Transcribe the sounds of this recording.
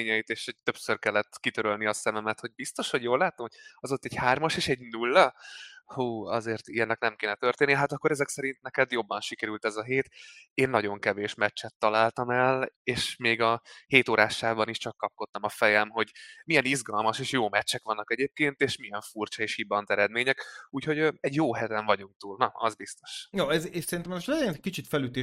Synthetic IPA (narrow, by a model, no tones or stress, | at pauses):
eːɲɛjit̪eːʃɛc̚t̪øpsørkɛlːɛt̪ːkit̪øɾølniɒsɛmɛmɛt̪ho̞ɟ̚bist̪o̞ʃho̞ɟjoːlːaːt̪omoɒzo̞t̪ːɛɟhaːrmɒʃeːʃɛɟnulːɒhuːɒzeːrt̪ijɛnːɛknɛmkeːnɛt̪ørt̪eːnːiɦat̪ɒkːo̞ɾɛzɛksɛɾint̪̚nɛkɛd̪jo̞bːɒnʃikɛɾylt̪ɛzɒɦeːt̪eːnːɒɟo̞ŋkɛveːʃmɛt͡ʃːɛt̪ːɒlaːlt̪ɒmɛleːʃmeːɡɒheːt̪oːɾʔaːʃaːbɒniʃt͡ʃɒkːɒp̚ko̞t̪ːɒmɒfɛjɛmɦo̞ɟmijɛnizɡɒlmɒʃeːʃjoːmɛt͡ʃːɛkʋɒnːɒkɛɟeːp̚keːnt̪eːʃmijɛɱfurt͡ʃɒeːʃhibɒnt̪ɛɾɛd̪meːɲɛkuːcho̞ɟøɛɟjoːɦɛt̪ɛɱvɒɟuŋk̚t̪uːlnɒɒ̰zbist̪o̞̥ʃjoːɛzeʃsɛɾint̪ɛmnoʃɛɛnkit͡ʃit̪fɛlyt̪eː